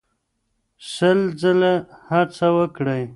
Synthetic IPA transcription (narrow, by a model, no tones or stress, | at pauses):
ʃəld͡zəlehaɾt͡sawəkɽəj